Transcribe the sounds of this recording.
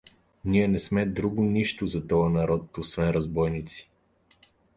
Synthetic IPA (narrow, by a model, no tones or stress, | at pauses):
niɛnɛsmɛd̪ɾuɡʊniʃt̪ʊzɐt̪ɔjɐnɐɾɔt̪osvɛnɾɐzbɔjnit̪si̥